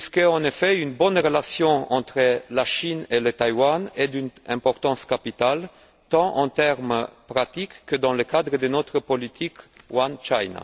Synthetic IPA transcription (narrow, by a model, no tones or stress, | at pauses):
pskəɑ̃nefɛynbɔnʁəlasjɔ̃ɑ̰̃t̪χəlaʃinelət̪ajwanɛd̪ynɛ̰̃pɔʁt̪ɑ̃skapit̪al | t̪ɑ̃ʔɑ̰̃t̪ɛʁmpʁat̪ikːəd̪ɑ̃ləkad̪ʁəd̪ənɔt̪χəpɔlit̪ʰik | want͡ʃajna̰